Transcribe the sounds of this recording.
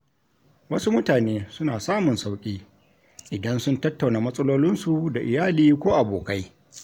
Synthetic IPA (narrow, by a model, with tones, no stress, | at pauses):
wɐ˦su˦mʊ˦taː˨neː˦sʊ˦naː˨saː˦mʊ˨nsa˦wkʲʼiː˦ | ʔɪ˨dɐ˦nsʊ˦ntɐ˦tːa˨wnaː˨mɐ˦sʼɐ˦loː˦lɪ˦nsu˨da˨ʔɪ˨jaː˦liː˦kʷoː˦ʔa˨boː˨ka˦j